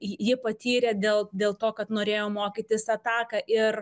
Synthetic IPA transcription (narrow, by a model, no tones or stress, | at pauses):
jɪpɐt̪ʲiːɾʲeːd̪ʲeːlˠd̪ʲeːlˠt̪oːkɐt̪noːɾʲeːjoːmoːkʲɪt̪ʲɪsɐt̪ɑːkɐʔɪr